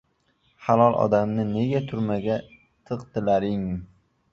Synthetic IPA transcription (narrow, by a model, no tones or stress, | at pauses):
halˠɒlˠʔɒ̰d̪amnɪne̞ɡʲat̪ʰʊɾmaɡʲa | t̪ʰɨqt̪ʰɪlaɾɪŋ